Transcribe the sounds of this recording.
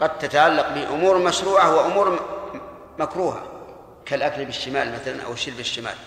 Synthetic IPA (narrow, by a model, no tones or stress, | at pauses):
qɑd̪̚t̪ːat̪aʕalːaq̚bɪʔʊmuːɾˤmaʃɾuːʕawɪaʔʊmuːɾ | makɾuːɦa̰ | kalʔaknɪbɪʃːɪmaːlmaθala̰nʔa̰wɪʃːɪlbɪʃːɪma̰ːl